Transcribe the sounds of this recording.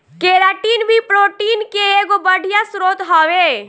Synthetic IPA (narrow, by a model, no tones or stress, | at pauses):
keːɾaːʈiːnbʱipɾoːʈiːnkeeːɡobəɽʱijasɾoːt̪ɦoːʋe